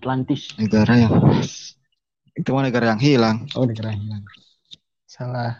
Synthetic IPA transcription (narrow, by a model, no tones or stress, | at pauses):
t̪lant̪ɪsnəɡaɾajaŋ | it̪umanəɡaɾajaŋɦilaŋonəɡaɾaɦilaŋ | salah